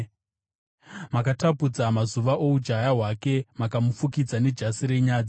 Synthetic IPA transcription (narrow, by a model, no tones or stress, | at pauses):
makatapud͡zamazuʋaʔo̞ud͡ʒajaɦwake̞makamufukid͡zane̞d͡ʒasiɾe̞ɲaːd͡zi